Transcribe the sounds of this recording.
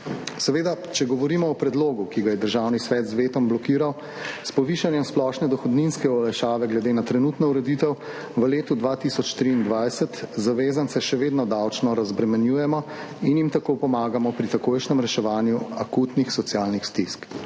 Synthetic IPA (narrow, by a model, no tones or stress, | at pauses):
sɛʋeːd̪at͡ʃɛɡɔʋɔɾiːmɔːpɾɛd̪loːɡukiɡajɛd̪əɾʒawnisʋɛːt̪zʋeːt̪ɔmblɔkiːɾaw | spɔʋiːʃanjɛmsplɔʃnɛd̪ɔxɔd̪ninskɛɔlaʃaːʋɛɡlɛd̪eːnat̪ɾɛnut̪nɔuɾɛd̪it̪ɛw | ʋəleːt̪ud̪ʋat̪isɔt͡ʃt̪ɾiːnd̪ʋajsɛt̪zaʋeːzansɛʃɛʋeːd̪nɔd̪awt͡ʃnɔɾazbɾɛmɛnjuːjɛmɔ | injimt̪akopɔmaːɡamɔpɾit̪akoːjʃnɛmɾɛʃɛʋaːnjuakut̪nixsɔt̪sjalnixst̪isk